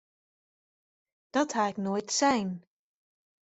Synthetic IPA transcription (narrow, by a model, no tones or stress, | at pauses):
d̥ɔthaɛknoːjtsɛjn